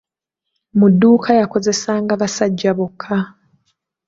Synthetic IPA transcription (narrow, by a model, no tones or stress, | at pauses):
mudːuːkʰajako̞ze̞saːŋɡaβasaɟːaβokʰːa